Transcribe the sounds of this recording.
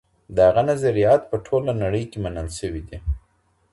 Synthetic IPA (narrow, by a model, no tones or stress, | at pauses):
d̪əhaɣanazaɾijɑt̪pəʈʰolanaɽəjkemanəlʃəwid̪i